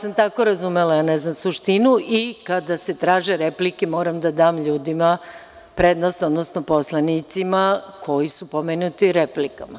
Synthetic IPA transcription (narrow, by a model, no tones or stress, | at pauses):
samt̪ako̞ɾazumelaaneznamsuʃt̪inuʔikad̪ase̞t̪ɾaːʒeɾeplikemo̞ːɾamd̪ad̪aːmʎuːd̪ima | pɾed̪nosod̪nosnopo̞slˠanit̪simakʰo̞jisupomenut̪iɾeplikama